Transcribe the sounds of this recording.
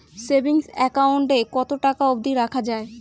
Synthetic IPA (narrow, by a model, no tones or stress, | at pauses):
sebiŋsɛkawɳʈekɔt̪oʈakaobd̪iɾakʰad͡ʑae